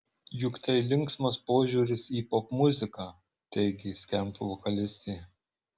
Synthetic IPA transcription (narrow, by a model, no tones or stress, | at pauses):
jʊkt̪ʲɐɪlʲɪŋˑksmɐspoːʒʲuːɾʲɪsiːpɔpmʊzʲɪkɑː | t̪ɛɪɡʲɪsʲkʲɛmt̪ʊʋɔkɐlʲɪsʲt̪ʲɛɪ